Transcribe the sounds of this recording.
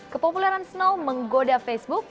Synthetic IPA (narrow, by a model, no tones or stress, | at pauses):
kəpopulɛɾansnowməŋɡodafɛsbuk̚